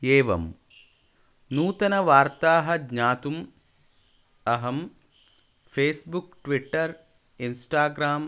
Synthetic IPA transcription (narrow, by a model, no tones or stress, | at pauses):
eːʋɐ̰m | nuːt̪ɐnɐʋaːɾt̪aːɦɐdɲaːt̪um | ɐɦɐm | fʰeːsbukʈʋiʈːɐɾ | insʈaːɡɾaːm